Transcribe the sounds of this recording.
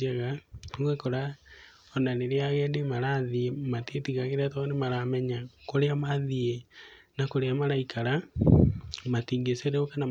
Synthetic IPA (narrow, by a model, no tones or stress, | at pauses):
aɣaowekoɾa | onaneɾeaɣɛndemaɾaðiematietiɣaɣeɾatɔnemaɾamɛɲakoɾeamaðie | nakoɾeamaɾaikʰaɾa | matiːŋɡeseɾeokana